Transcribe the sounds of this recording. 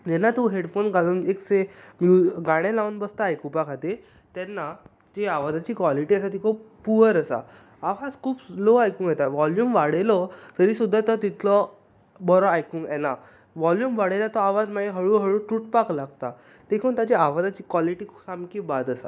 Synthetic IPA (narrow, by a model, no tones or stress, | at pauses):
d͡ʑɛnːat̪ũɦeɽfonɡaluːneksemjuɡaɽ̃ẽlawnbəst̪aːjkupakʰat̪i | t̪ɛnːa | d͡ʑeaʋad͡zat͡ɕiːkʋaliʈiəsat̪ikʰopuəɾəsa̰ | aʋad͡zkʰuːploajkũːŋɡjɛt̪aʋɔljuːmʋaɽelɔt̪əɾiːsud̪ʱːat̪ɔt̪it̪ʰlɔ | bɔɾɔajkũːŋɛna | ʋɔljumʋaɽelat̪ɔaʋad͡zmaeɦəɭuːɦəɭũːʈɾuʈ̚paklaɡt̪a | t̪ekʰuːnt̪ad͡ʑeaʋad͡zat͡ɕiːkʋɔliʈiːksamkibad̪əsa̰